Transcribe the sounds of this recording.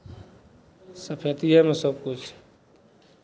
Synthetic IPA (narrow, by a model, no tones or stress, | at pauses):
səpʰet̪iɦɛmẽsəb̚kʊt͡ʃʰ